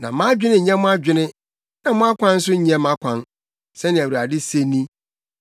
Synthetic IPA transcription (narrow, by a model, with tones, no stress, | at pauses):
nã̰˨mã˦d͡ʑᶣɪ˦nɪ̃˦˨ɲɛ̃˦mʊ̃˦a˦d͡ʑᶣɪ˦nɪ̃˦ | nã˨mʊ̃˦a˦kʷʰã˦n̩˦s̬ʊ˦ɲi˨ɛ˦mã˦kʷʰã˦n | sɛ˦nɪ̃˨æ˨wa˨dɪ˦se˦nĩ˦